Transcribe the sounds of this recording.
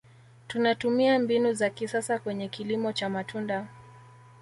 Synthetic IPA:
tunatumiambinuzakisasakwɛɲɛkilimɔt͡ʃamatʰunda

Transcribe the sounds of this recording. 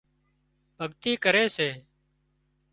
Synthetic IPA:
bʱəɠt̪iːkəɾeːseː

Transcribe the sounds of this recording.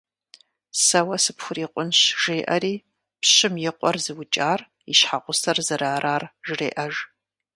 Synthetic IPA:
sɐwɐsɨpxʷʊriːqʷʊnɕʒ̥eːʔɐɾiː | pɕɪmjɪqʷɔrzɨwʊt͡ʃʼaːr | iɕħaʁʷʊsɐrzɨɾaːɾaːrʒɪrḛːʔɐʒ

